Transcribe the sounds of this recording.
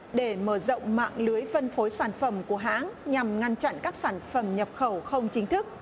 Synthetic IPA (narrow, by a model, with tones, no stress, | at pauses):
ɗe˧˩məː˧˩zɔ̰˧˨wŋ͡mma̰ː˧˨ŋlɨ˨˦əjfə˧nfo˨˦jsaː˧˩nfə˧˩mku˧˩əɦa̰ː˧˥nɲa˨˩mŋa˧ŋt͡ɕa̰˧˨nkaː˦˥k̚saː˧˩nfə˧˩mɲə˨˩p̚xə˧˩wxə˧wŋ͡mt͡ɕï˨˦ŋ̟t̪ʰɨ˦˥k̚